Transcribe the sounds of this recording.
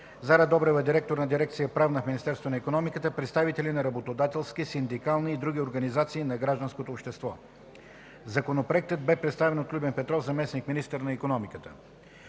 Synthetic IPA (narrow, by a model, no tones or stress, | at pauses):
zaɾɛd̪ɔbɾɛvəd̪iɾɛk̚t̪oɾnɐd̪iɾɛk̚t̪sijəpɾavnəfminist̪ɛɾst̪vonɐikonɔmikət̪əpɾɛt̪st̪avit̪ɛlinɐɾɐbot̪od̪at̪ɛlˠskisind̪ikalˠniːd̪ɾuɡ̟ʲioɾɡɐnizat̪siːnɐɡɾaʒd̪ɐnskot̪oːpʃt̪ɛst̪vɔ | zɐkonopɾoɛk̚t̪əd̪̚bɛpɾɛt̪st̪avɛnot̪lʲubɛnpɛt̪ɾɔfzɐmɛsnikminist̪əɾnɐikonɔmikət̪ə̥